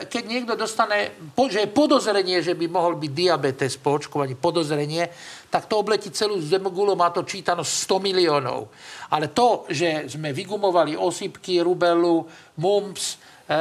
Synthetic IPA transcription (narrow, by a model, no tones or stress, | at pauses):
kɛɟɲɪɛɡd̪ɔd̪ɔst̪aɲɛpɔʒɛjɛpɔd̪ɔzɾɛɲɪɛʒɛbimɔɦɔlbiɟd̪iabɛt̪ɛspɔɔt͡ʃkɔʋaɲiːpɔd̪ɔzɾɛɲɪɛt̪akt̪ɔɔblɛcit͡sɛluːzd̪ɛmɡulɔmaːt̪ɔt͡ʃiːt̪anɔstst̪ɔmiliɔːnɔ̰ʊalɛt̪ɔʒɛzmɛʋiɡumɔʋaliʔɔsipkiɾubɛlu | mumps